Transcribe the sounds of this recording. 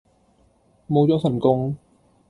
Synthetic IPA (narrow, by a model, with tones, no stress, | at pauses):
mo˨˧wt͡sɔː˨˥sɐ˨˩nkʊ˥ŋ